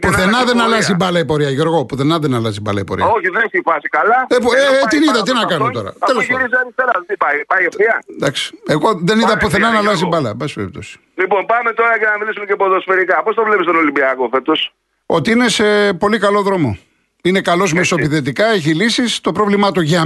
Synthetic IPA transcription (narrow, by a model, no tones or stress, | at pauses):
puθθenɐðenɐlɐzibɐlɐipo̞ɾiɐʝo̞ɾɣo̞puθe̞nɐðenɐlɐzibɐ̰lɐ̰ipo̰ɾḭɐoçiðeiçifɐsikɐlɐepet̪iniðɐt̪̬inɐkɐnut̪o̞ɾɐ̰t̪eleiɾiziɐɾist̪eɾɐðt̪ipɐipɐjefiɐd̪ɐksi̥e̞ɣo̞ðeniðɐpuθe̞nɐnɐlɐzibɐlɐ̰bɐspeɾip̚t̪o̞si̥ | lipo̞npɐme̞t̪o̞ɾɐcɐnɐmilisumecepoðosfe̞ɾikɐpo̞st̪ɐvlepist̪ono̞limbiɐkofe̞t̪o̞s | o̞t̪iine̞se̞po̞likɐlo̞ðɾo̞mo̞ | ine̞kɐlo̞zmeso̞piðet̪ikɐeçilisist̪o̞pɾo̞vlimɐt̪uʝɐ